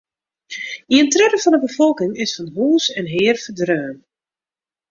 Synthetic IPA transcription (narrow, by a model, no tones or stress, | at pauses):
iəntrɛɾəfɔndəbəfɔlˠkɪŋɪsfɑnɦuːsɛnɦɪːrfədrøːn